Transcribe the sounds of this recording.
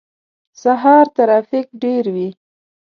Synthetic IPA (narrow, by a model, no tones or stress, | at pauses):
saɦɑɾt̪aɾɑfɪk̚ɖeɾwi